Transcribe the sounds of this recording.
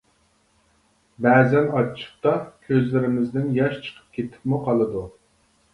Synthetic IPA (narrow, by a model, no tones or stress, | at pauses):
bɛːzɛnɑt͡ʃʰə̥χ̚t̪ɑkʲʰøzlɪɾɪmɪzd̪ɪnjɑʃt͡ʃʰə̥qʰə̥p̚kʲʰet̪ʰɪ̥pmuqʰɑlˠɨd̪u